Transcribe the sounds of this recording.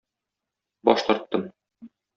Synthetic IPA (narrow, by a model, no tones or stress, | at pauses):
bɒʃqɤ̆ɾt̪ːɤm